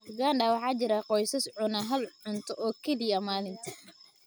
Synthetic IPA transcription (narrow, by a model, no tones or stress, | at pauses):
ɡaːnɖɐwɑħɑːt͡ʃɪɾɐqɔjsɐsʕʊnɐɦɐlʕʊnt̪ʰɔʔɔːkʰɐdijɐmaːlɪnt̪ʰɐ̥